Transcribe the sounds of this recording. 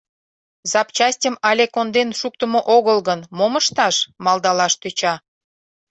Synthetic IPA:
zɑpt͡ɕɑsʲtʲəmɑlʲekond̪enʃuk̚t̪əmoʔoɣəlɣənmoməʃt̪ɑʃmɑld̪ɑlɑʃt̪øt͡ɕɑ

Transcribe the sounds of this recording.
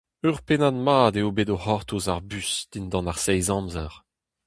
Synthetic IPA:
yʁpenad̪maːd̪eobedohɔʁt̪uzaʁbysd̪̥ind̪ɑ̃naʁsɛjzɑ̃mzɛʁ

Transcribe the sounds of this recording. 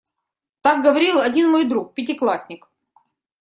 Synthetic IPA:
t̪ak̚ɡəvɐɾʲilˠɐdʲinmojd̪ɾuk̚pʲɪt̬ʲɪklˠasʲnʲɪk

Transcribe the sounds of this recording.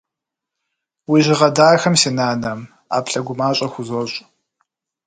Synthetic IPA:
wiʒɪʁɐdaːxɐmsinaːnɐm | a̰ːpʰɬɐɡʷʊmaːɕʼɐxʷʊzoɕʷʼ

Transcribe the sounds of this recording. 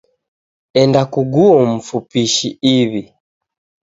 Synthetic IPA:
ɛndakuɡuɔm̩fupiʃiiβi

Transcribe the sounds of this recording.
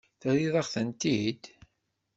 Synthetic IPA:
θəɾiðˤɑχθənt̪id̪

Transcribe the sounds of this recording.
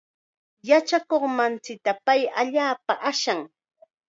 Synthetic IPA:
jat͡ʃakoχmant͡sɪk̚t̪apajaʎaːpaʔaʃaŋ

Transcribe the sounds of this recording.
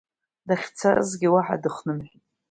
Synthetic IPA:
daχʲt͡sʰarɨ̰zɡʲɪwaħa̰dɨχnɨmħʷtʼ

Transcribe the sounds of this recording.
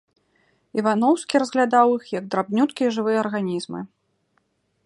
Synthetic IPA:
ivanɔwskʲiɾɐzɣlʲad̪awixjɐɡ̚d̪ɾabnʲut̪kʲijɐʐɨvɨjɐːrɣanʲizmɨ̰

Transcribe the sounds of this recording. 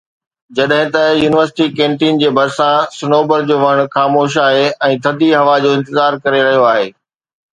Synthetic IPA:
d͡ʑɐɗɦɪ̃t̪ɐjuːnɪʋəɾsɪ̥ʈikẽːɳʈiːnd͡ʑeːbʱɐɾsãsɪnoːbəɾd͡ʑoːʋɐɽ̃xaːmoːʃ̬aːɦeɛ̃ːt̪ʰɐd̪ʱiɦɐʋad͡ʑoːɪ̃nt̪ɪzaːɾkɐɾeɾɐɦijoaːɦeː

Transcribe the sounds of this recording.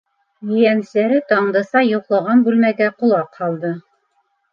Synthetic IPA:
jɵ̆jæn̆slæɾɘt̪ɑɴd̪ɤ̆sɑjŏqlˠɑʁɑnbʉlmæɡæqulˠɑqhɑlˠd̪ɤ

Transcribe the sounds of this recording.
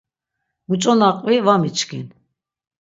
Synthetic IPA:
mut͡ʃʼɔnaqʼvivamit͡ʃʰkʰin

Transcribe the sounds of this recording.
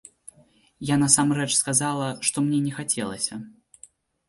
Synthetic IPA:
janɐsamrɛt͡ʂskazalˠɐʂt̪ɔmnʲɛnʲɛxat͡sʲɛ̰lˠɐ̰sʲɐ

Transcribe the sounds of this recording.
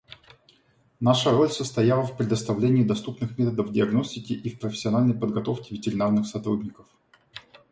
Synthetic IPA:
naʂəɾo̞lʲsəst̪ɐjalˠəfpɾʲɪd̪əst̪ɐvlʲenʲɪɪd̪ɐst̪upnɨxmʲet̪əd̪əvdʲɪɐɡnosʲtʲɪkʲɪʔifpɾəfʲɪ̥sʲːɪɐnalʲnəjpəd̪ɡɐt̪o̞fkʲɪvʲɪtʲɪɾʲɪnarnɨxsɐt̪ɾudʲnʲɪkəf

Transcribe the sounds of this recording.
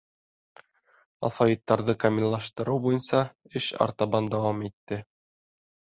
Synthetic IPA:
ɑ̰favʲit̪ːɑɾðɤkɐmʲilʲːˠɑʃt̪ɤ̆ɾɤwbujɤnsɑ | ɘɕɑ̰ɾt̪ɑbɑnd̪æwɑmit̪ːɘ

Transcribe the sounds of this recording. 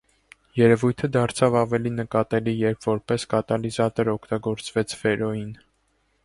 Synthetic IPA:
jɛɾɛvujt̪ʰəd̪ɑɾt͡sʰɑvɑvɛlinəkɑt̪ɛlijɛɾpʰvɔɾpɛskɑt̪ɑlizɑt̪ɔɾɔkʰt̪ɑɡɔɾt͡svɛt͡sʰvɛɾɔjin

